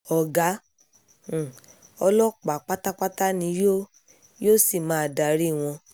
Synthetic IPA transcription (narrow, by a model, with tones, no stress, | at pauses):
ɔ˨ɡã˨˦˨ | ɔ˧lɔ˦k͡pa˨˦k͡pa˦ta˦k͡pa˦ta˦nĩ˨˧˦jo˦ | jo˦si˦˨mãː˨˦˧da˨ɾi˦˨w̃ɔ̃˧